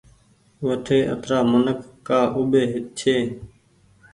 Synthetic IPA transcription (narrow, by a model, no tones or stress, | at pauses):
ʋət̪ʰeːʔə̰t̪ɾaːmənəkːaːʔʊɓeːɦɪt̪̚t͡ʃʰeː